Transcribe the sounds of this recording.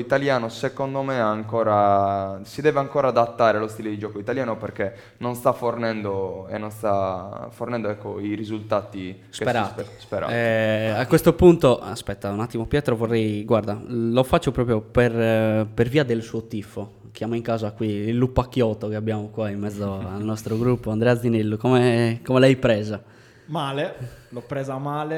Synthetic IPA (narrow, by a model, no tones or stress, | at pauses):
it̪aljaːnosekond̪omeaːŋkɔːɾasid̪ɛːveaŋkɔːɾaːd̪at̪ːaːɾelost̪iled̪id͡ʒɔkoit̪aljaːnopɛrke | nːonst̪afornɛnd̪oenːonst̪afornɛnd̪oɛkːoirizult̪aːt̪i | skpeɾaspɛɾa̰akːwest̪opunt̪oa̰spɛt̪ːaunat̪ːimopjɛːt̪ɾovorːɛjɡwaɾd̪alofat͡ʃːopɾɔːp̬ɾjopɛrperviːad̪elsuːot̪ifo | kjamoiŋkaːzakwiilːupːakːjɔt̪okeabːjamokwaimːɛd̪zːoalnɔst̪ɾoɡɾupːoand̪ɾɛad̪zinelːukɔmɛkɔmɛlɛjpɾɛːza | maːlelɔpːɾɛːzamaːle